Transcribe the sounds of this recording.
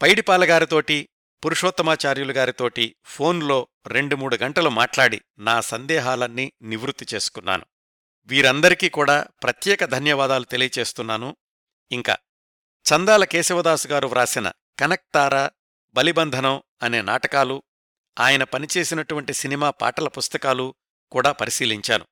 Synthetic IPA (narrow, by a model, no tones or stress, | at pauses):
pɐjɽipaːlɐɡaːɾit̪o̞ːʈi | puɾuʂoːt̪ːɐmaːt͡ʃaːɾjulɐɡaːɾit̪o̞ːʈipʰo̞ːnlo̞ː | ɾeɳɖumuːɽuɡɐɳʈɐlumaːʈlaːɽḭ | naːsɐnd̪ɛːɦaːlɐnːiniʋɾut̪ːit͡ʃe̞ːsu̥kunːa̰ːnu | ʋiːɾɐnd̪ɐɾikiːkuːɽaːpɾɐt̪jɛːkɐd̪ʱɐnjɐʋaːd̪aːlut̪e̞lijɐt͡ʃe̞ːst̪unːaːnu | iŋka̰ː | t͡ʃɐnd̪aːlɐke̞ːsiʋɐd̪aːsuɡaːɾuʋɾaːsinɐ̰ | kɐnɐk̚t̪aːɾa | bɐlibɐnd̪ʱɐnɐm | ɐne̞ːna̰ːʈɐkaːlu | aːjɐnɐpɐnit͡ʃe̞ːsinɐʈuʋɐɳʈisinimaːpa̰ːʈɐlɐpust̪ɐkaːlu | kuːɽaːpɐɾisiːliɲt͡ʃa̰ːnṵ